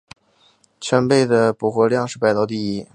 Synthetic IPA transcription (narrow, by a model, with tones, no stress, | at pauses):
t͡ɕʰɥɛ˧˥npe˥˩ɪd̪ə˩pu˨˩xwɔ˧˥ljɑ˥˧ŋʂɻ̩˥˧pa˥˩ɪt̪ɑ˥ʊt̪̬i˥˧i˥˩